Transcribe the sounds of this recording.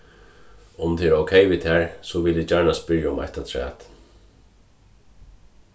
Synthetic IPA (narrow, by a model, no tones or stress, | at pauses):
ʊmt̪ʰeːɛɾowkʰɛjʋiːt̪hæːɹsɔʋɪlɪd͡ʒaɹɳaspɪɹjaʊma̰ht̪at̪ʰɹæ̰ːt̪